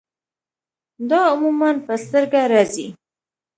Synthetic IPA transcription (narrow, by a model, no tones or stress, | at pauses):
d̪ɑʊmumanpəst̪əɾɡaɾɑzi